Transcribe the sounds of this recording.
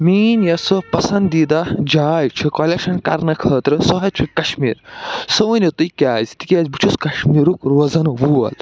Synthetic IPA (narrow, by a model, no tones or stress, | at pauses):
miːnjɐsɨpɐsɐnd̪id̪ad͡ʒaːjt͡ʃʰukolekʃɐnkɐ̰ɾnɐkʰɐːt̪ɾɨsɔɦɐt͡ʃʰukɐʃmḭːɾsɐʋɐnʲot̪ujkʲaːzʲt̪ikʲaːzʲbut͡ʃʰuskɐʃmiːɾukɾoːzɐnɨʋuːɐ̰l